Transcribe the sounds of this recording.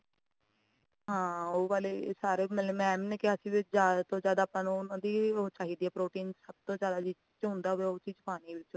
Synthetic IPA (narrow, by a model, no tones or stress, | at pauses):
ɦãːoːʋaːleːsaːɾeːmɛlmɛːmneːkɪasĩʋɪzaːt̪õːzjaːd̪aːpənoʊnãːd̪iːoːt͡ʃaːɦiːd̪iːɛːpɾoːʈiːnsəb̚t̪õːzjaːd̪aːd͡ʒi | t͡ʃɦʊ̃nd̪aːɦʊeːoːt͡ʃiːzpaːniːʋɪt͡ʃ